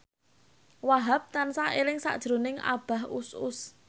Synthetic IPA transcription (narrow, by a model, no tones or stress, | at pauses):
waɦap̚t̪ansaelɪŋsa̰ʔd̥ʒ̥ɾonɪŋʔa̰b̥a̤ɦʊsʊs